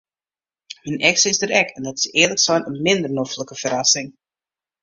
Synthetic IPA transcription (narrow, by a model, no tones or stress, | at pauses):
minɛksəɪsdəɾɛkɛndɔtɪ̥sɪːrləksɔjnənmɪndərnofləkəfəɾasɪŋ